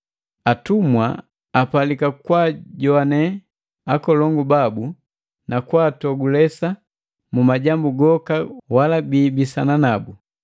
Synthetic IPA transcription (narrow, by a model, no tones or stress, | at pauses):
atumwaː | palikakwaɟɔanɛ | akɔlɔŋɡubabu | nakwaːtɔɡulɛsa | mumaɟambuɡɔkawalabiːbisananabu